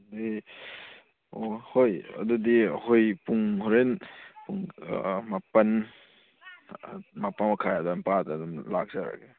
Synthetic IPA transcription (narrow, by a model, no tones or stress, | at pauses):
di | ohojɐ̰dudihojpuŋhɔɾenpuŋmapɐn | mapanakʰajadampadadumlak̚zaɾa̰ɡe